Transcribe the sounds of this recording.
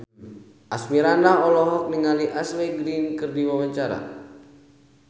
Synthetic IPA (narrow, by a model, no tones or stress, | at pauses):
ʔasmiɾandaɦɔlɔɦɔk̚niŋaliʔaslɛɡɾinkɨrdiwamaɲt͡ʃaɾa̰